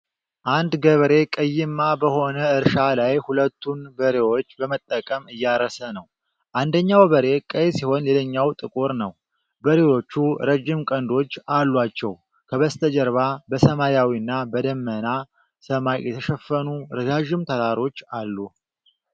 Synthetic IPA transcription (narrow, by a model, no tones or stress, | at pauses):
ʔand̪ɡəβəɾe̞kʼəjːɪmːabəho̞nəɨɾʃalajhulət̪ʰːunbəɾe̞wo̞t͡ʃːbəmət̪ʼːəkʼəmɨjːaɾəsənəw | ʔand̪əɲːawbəɾe̞kʼəjsiho̞nleləɲːawt̪ʼɨkʼuɾnəw | bəɾewo̞t͡ʃːuɾəd͡ʒːɪmkʼənd̪o̞t͡ʃːalːwat͡ʃːɛw | kʰəβəst̪ʰəd͡ʒəɾβabəsəmajawiɨnːabəd̪əmːəna | səmajjɛt̪ʰəʃəfːənuɾəzaʒɪmt̪ʰəɾaɾo̞t͡ʃːalːu